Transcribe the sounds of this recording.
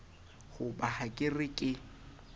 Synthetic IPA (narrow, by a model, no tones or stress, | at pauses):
ɣʊbahakʼɪrɪkʼɪ